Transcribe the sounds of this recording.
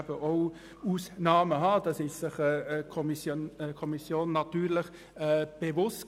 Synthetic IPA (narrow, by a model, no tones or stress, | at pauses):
b̥əʔoʊ | uːsnɑːməɦɑd̥ɑsɪʃsɪχɛəkʰɔmisjoəkʰɔmisjoːnːɑt̪yːɾləχ | ɛːb̥evʊst